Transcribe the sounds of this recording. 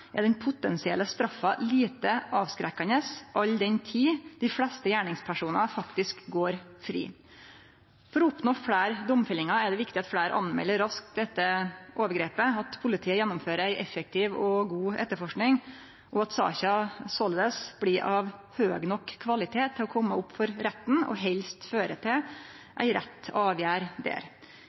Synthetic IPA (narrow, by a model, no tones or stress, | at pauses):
ɛd̪ɛnpʰʊt̪ɛnsɪɛ̰lːəst̪ɾɑfːɑliːt̪əʔɑːʋskɾɛkːɑnəsʔɑʎd̪ɛnt̪ʰiːd̪̥ɪfɽɛst̪əjæːɳɪŋspʰæʂuːnɑfɑkt̪ɪskɡoːɾfɾḭː | fɔɾɔʊpnoːfɽæːɾd̪ɔmfɪlɪŋɑɛɖ̪ɛʋɪkt̪ɪɑt̪fɽæːɾʔɑ̰nmɛ̰lːəɾɑsk̚d̪ɛt̪ːəʔoːʋəɾɡɾeːpəɑt̪pʰʊlɪt̪ʰiːəjɛnːɔmføːɾəɾæɪʔɛfɛk̚t̪ʰɪːʋɔɡuːʔɛ̰t̪ːəɾfɔʂknɪŋ | ʔɔɑt̪sɑ̰ːçɑsɔld̪əsb̥liːʔɑʋhøːɡnɔkʰːʋɑlɪt̪ʰeːt̪ʰːɪlɔkʰɔmːəʊpːfɔɾɾɛt̪ːnɔ̰ɦɛlst̪føːɾət̪ʰɪ | ʔæ̰ɪɾɛ̰t̪ːɑːʋjæːɾd̪ḛːɾ